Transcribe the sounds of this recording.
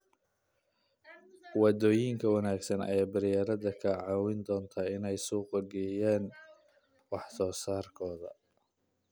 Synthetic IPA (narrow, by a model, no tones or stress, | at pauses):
wɑd̪ɔːjɪŋkʰɐwɑnaːɡsɐnɐ̰jaːbɐɾjaːɾɐðɐkʰɐʕɑːwɪnd̪ɔːnt̪ʰaːɪnɛjsuːqɐɡɛjaːn | wɑħsɔːsaːrkʰɔːðɐ̰